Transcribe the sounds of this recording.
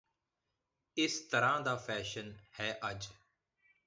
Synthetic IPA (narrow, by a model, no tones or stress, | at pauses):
ɪst̪əɾãːd̪aːfɛːʃənhɛːʔəd͡ʒ